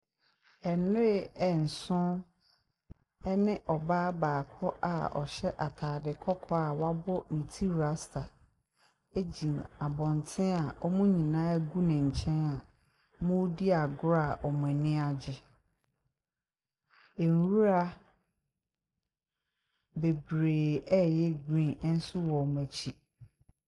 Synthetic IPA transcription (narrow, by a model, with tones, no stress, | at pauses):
ɛ˨nʊ˦ɾɪ˦˨ɛ˨n̩˨sʊ̃˦ | ɛ˦nɪ̃˦ʔɔ˨baː˦baː˨kʰɔ˦ʔa̰˨ɔ̰˨ɕɛ˦ʔa˨tʰaː˨dɪ˨kʰɔ˦kʰɔ˦a˨wa˦bʊ˦nĩ˨tʰi˦ɾa˦sta˨ | e˦d͡ʑĩ˨ma˨bɔ̃˨n˨tʰɪ̃˦a˨ʔɔ˦mũ˦ɲĩ˨nãː˦ɡu˦nɪ̃˨ɲ̩˨t͡ɕʰɛ̃˦na˨ | mʊ̃˦di˦a˨ɡʊ˦ɾa˨ʔɔ˨mʊ̃˨ɛ̃˨nɪ̃˦a˨d͡ʑɪ˦ | e˨n˨wu˦ɾa˦ | be˨bɾeː˨ɛ˦jɛ˦ɡĩ˦n˦n̩˦sʊ˦wɔ˨m˨ɛ˨t͡ɕʰi˦